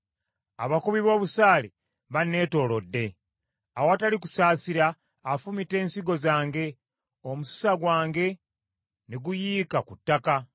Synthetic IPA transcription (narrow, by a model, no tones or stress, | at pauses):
aβakuβiβo̞ːβusaːli | βanːe̞ːto̞ːlo̞dːe̞ | awataliku̥saːsiɾaː | fumite̞ːnsiɡo̞zaːŋɡe̞ | omusu̥saɡwaːŋɡe̞ | neɡujiːkakutːaka